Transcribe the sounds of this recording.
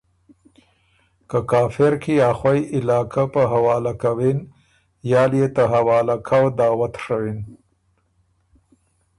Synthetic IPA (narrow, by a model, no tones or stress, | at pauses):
kəkɑːfɪɾkijɑːxwajʔɪlɑːkʰapəɦawɑːlakawin | jɑːljet̪aɦawɑːlakʰawd̪ɑːwat̪ʂawin